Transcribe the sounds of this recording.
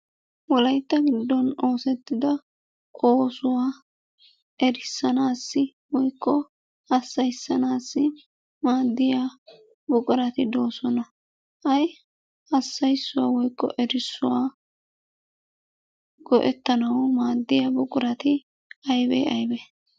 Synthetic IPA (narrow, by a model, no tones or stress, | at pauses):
wɔlɐjt̪ːɐɡɪd̪ːɔnoːsɛt̪ːɪd̪ɐ | ʔoːsʊwaː | ʔɛɾɪsːɐnaːsːɪ | wɔjkːɔ | hɐsːɐjsːɐnaːsːɪ | maːd̪ːɪja | bʊkʼʊɾɐt̪ɪd̪oːsɔnɐ | hɐj | ɐsːɐjsːʊwaːwɔjkːɔ̰ʔɛɾɪsːʊ̰waː | ɡ̥ɔʔɛt̪ːɐnɐwɔmaːd̪ːɪjabʊkʼʊɾɐt̪ɪ | ɐjbɛ̰ːɐjbɛ